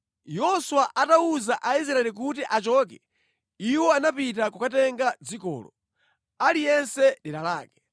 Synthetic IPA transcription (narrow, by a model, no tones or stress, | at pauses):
jɔswaʔatauzaʔais̬ɾaɛlik̬ut̬iʔat͡ʃɔk̬ɛ | iwɔanapit̬akukatɛŋɡad͡zikɔ̰ːlɔ̰ | alijɛnsɛɗiɾalaːkɛ̥